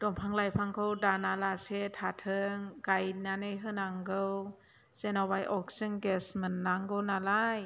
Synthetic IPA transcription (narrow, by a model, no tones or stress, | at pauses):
d̥ɔmpʰaŋlajpʰaŋkʰowdanalasetʰatʰɯŋkajnanɯjɦɯnaŋɡɯw | z̥enawajʔɔk̚sɯŋɡɛsmɯnːaŋɡɯwnalaj